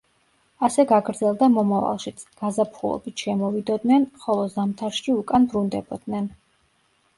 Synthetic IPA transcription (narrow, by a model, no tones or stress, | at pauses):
asɛɡaɡɾd̪zɛlˠd̪amɔmava̰lˠʃit̪sʰɡ̥azapʰχulˠɔ̰bit̪ʰʃɛmɔvid̪ɔd̪nɛnχɔlˠɔzamt̪ʰaɾʃiukʼanbɾund̪ɛbɔd̪̥nɛn